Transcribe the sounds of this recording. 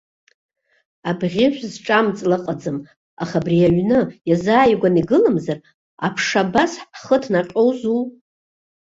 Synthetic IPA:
abʁʲɪʃʷzʈ͡ʂʼamt͡sʼlɨqʼad͡zɨm | aχabriaɥnɨjazaːjɡʷaniɡɨlɨmzar | apʰʂabasħχətʰnaqʲʼo̞wzu

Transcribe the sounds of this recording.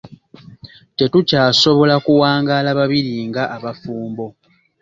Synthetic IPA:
te̞tucaːso̞βo̞lakuwaːŋɡalaβaβiɾiŋɡaʔːβafuːmbo̞

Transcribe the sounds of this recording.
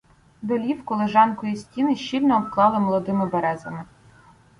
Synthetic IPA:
d̪ɔlʲiwkɔlˠeʒɑnkɔjisʲtʲinɪʃt͡ʃilʲnɔːpklˠɑlˠɪmɔlˠɔd̪ɪmɪbeɾɛzɐ̰mɪ

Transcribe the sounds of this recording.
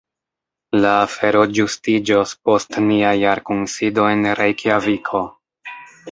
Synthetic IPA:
laːfe̞ɾo̞d͡ʒustid͡ʒospo̞stniajaɾkonsido̞e̞nɾejkʰjavikʰo̞

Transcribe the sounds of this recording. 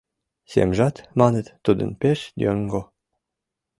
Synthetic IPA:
sʲḛmʒɑt̪mɑnə̆t̪ːud̪ə̰npeʃd̪ʲøŋɡo

